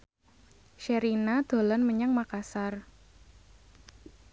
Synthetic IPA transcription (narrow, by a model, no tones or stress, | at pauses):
ʃeɾinad̪̥o̤lanməɲaŋmakasar